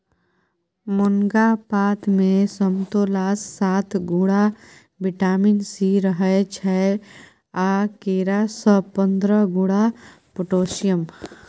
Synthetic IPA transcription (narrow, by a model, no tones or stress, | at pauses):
mʊŋɡapaːt̪ʰmẽsəmt̪oːlaːsːaːt̪ʰɡuɽa | bɪʈaːminsiɾəɦət͡ʃʰɛ | aːkeːɾasɔpə̃nd̪ɾəɡuːɽa | pʊʈoːʃijəm